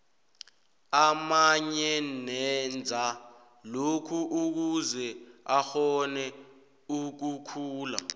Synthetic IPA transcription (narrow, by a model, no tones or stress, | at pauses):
amaɲɛnɛnd͡zʱa | lokʰuʔuk̬uzɛaxɔnɛ | uk̬ukʰuːla̰